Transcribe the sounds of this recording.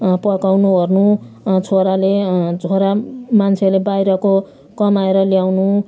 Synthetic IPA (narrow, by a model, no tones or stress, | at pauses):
pʌkawnuɦʌrnu | t͡sʰoɾaled͡zʱoɾamant͡sʰelebajɾʌko | kʌmaeɾʌljawnu